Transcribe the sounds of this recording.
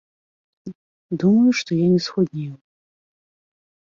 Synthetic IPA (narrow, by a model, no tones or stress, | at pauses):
dumɐjuʂtʰojanʲɛsχod̪nʲejw